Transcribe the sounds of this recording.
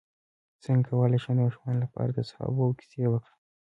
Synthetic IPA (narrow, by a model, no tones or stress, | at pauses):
t͡səŋkʰawəlajʃed̪əaʃmɑnlapɑ̰ɾad̪əshɑ̰bowki̥sewəkɽi